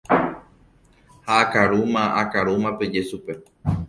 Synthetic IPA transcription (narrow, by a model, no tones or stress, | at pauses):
haːkaɾumãakaɾumãpe̞d͡ʒe̞supe̞